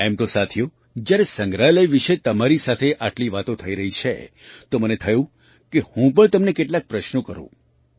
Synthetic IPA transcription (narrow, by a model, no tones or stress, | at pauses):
ɛmt̪osat̪ʰjo | d͡ʒjaɾesə̃ŋɡɾaləjʋiʃet̪əmaɾisat̪ʰeʔaʈliʋat̪õt̪ʰəiɾəɦit͡ʃʰḛ | t̪omənet̪ʰəjũ | kehũpəɳt̪əmnekeʈlak̚pɾəʃnokəɾõ̰